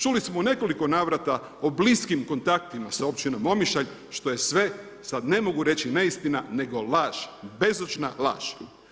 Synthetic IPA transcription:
t͡ʃulismone̞ko̞liko̞naːʋɾat̪a | obliskimko̞nt̪akt̪imasao̞pt͡ɕino̞mo̞miʃaʎʃt̪o̞je̞sʋe̞ | sad̪ne̞mo̞ɡuɾe̞t͡ɕineist̪inane̞ɡo̞lˠaːʒbe̞zot͡ʃnala̰ːʃ

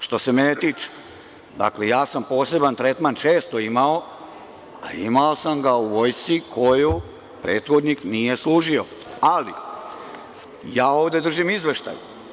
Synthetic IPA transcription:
ʃt̪o̞se̞menet̪iːt͡ʃe̥ | d̪a̰kle̞jaːsampo̞ːse̞bant̪ɾe̞t̪mant͡ʃeːst̪o̞imao̞ | a̰ḭmao̞samɡauʋo̞jst̪sikʰo̞ju | pɾe̞ːt̪xo̞d̪niknije̞slˠuːʒio̞ | alḭ | jaːo̞ːʋd̪e̞d̪r̩ʒimizʋe̞ʃt̪a̰ju

